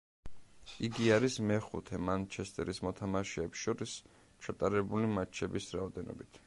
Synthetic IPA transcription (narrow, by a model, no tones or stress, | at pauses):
iɡiaɾismɛχṵt̪ʰɛmant͡ʃʰɛst̪ʼɛɾismɔt̪ʰamaʃɛːpsʃɔɾis | t͡ʃʰat̪ʼaɾɛbulimat͡ʃʰɛbisɾaɔd̪ɛnɔ̰bit̪ʰ